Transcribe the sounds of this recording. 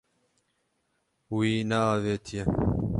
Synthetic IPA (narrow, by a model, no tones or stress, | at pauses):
wiːnɛaːveːt̪ʰijɛ